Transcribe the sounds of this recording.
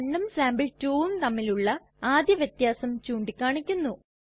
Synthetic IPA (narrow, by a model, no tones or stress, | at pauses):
ɳːɐmsaːmbɨɭtuːnt̪ɐmːiluɭːɐ | aːd̪jɐʋjɐt̪jaːsɐmt͡ɕuːɳɖikʲːaːɳikʲːunːu